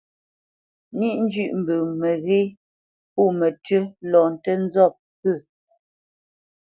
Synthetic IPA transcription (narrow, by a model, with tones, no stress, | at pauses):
ni˦˨ʔn̩˦d͡ʒʉ˦˨ʔm̩˨bʉ˨mə˨ɣe˦ | pu˦˨mə˨tə˦lɔ˨n̩˨tə˦n̩˦zɔ˦˨p̚pə˦˨